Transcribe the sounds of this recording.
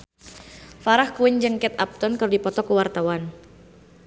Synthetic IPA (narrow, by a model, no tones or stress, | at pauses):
faɾahkuwɪɲd͡ʒɨŋkɛt̪ap̚t̪ɔnkərdipɔt̪ɔkuwart̪awan